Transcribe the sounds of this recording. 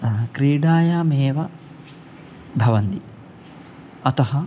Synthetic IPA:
kɾiːɖaːjaːmeːʋɐ | bʱɐʋɐnt̪i | ɐt̪ɐɦɐ

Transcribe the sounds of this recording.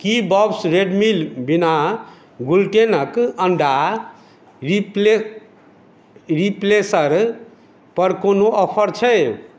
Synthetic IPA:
kibʌbsɾeɖmilbina | ɡulʈenʌkʌɳɖa | ripe | riplesʌɾ | pʌɾkonoʔʌpʰʌɾt͡sʰʌj

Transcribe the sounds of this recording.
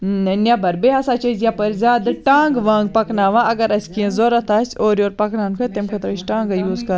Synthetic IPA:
ɐnʲabɐɾbeɦasaːt͡ʃɐzjapɐɾzʲaːd̪ɨʈaːŋɡʋaːŋɡ̚pɐknaːʋãʔɐɡɐɾɐsʲkiẽzoɾɐt̪ʰaːsʲoːɾjoːɾpɐknaːnkʰɐt̪emkʰɐt̪ɾɐʃʈaːŋɡɐjuːzkɐ

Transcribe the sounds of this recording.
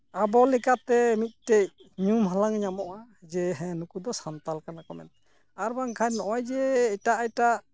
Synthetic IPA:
abɔlɛkat̪ɛmit̪̚ˀʈɛjɲumɦalaŋɲamɔʔa | d͡ʒɛɦɛ̃nukud̪ɔsant̪alkanakɔmɛ̰t̪̚ | aɾbaŋkʰajnɔʔɔjd͡ʒɛɛʈaʔajʈaʔ

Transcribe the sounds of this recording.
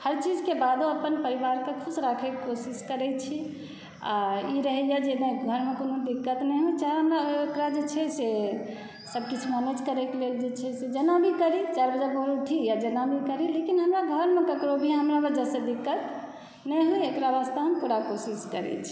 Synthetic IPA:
həɾt͡ʃid͡ʒkebad̪oəpənpəɾibaɾkekʰusɾakʰɛkkosiskəɾɛt͡ʃʰi | a̰iɾəɦɛjad͡ʒenɛ̃ɡʱəɾmekonod̪ikːət̪nɛɦujt͡ʃaɦɦəmɾaekɾad͡ʒet͡ʃʰɛse | səb̚kit͡ʃʰumanet͡ʃkəɾɛkeleld͡ʒet͡ʃʰɛsed͡ʒənabʱikəɾit͡ʃaɾbəd͡ʒabəɦɾʈʰijad͡ʒənabʱikəɾilekinɦəmɾaɡʱəɾmekəkɾobʱiɦəmɾabəd͡ʒəsed̪ikːət̪ | nɛɦujekɾaʋast̪aɦəmpuɾakosiskə̰ɾɛ̰t͡ʃʰi̥

